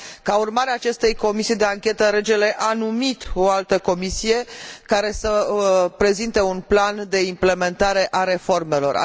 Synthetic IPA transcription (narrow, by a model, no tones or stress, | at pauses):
kaurmaɾeaːt͡ʃe̞st̪e̞jko̞misijed̪e̞aŋkʲe̞t̪əɾe̞d͡ʒe̞le̞ʔanumit̪o̞alt̪əko̞misije̞kaɾe̞səpɾe̞zint̪e̞unpland̪e̞imple̞me̞nt̪aɾe̞ʔaɾe̞fo̞rme̞lo̞̰ra̰